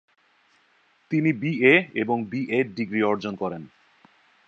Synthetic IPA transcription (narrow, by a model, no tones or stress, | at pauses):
t̪inibieeboŋbiʔeɖiɡɾiɔɾd͡ʑonkɔɾen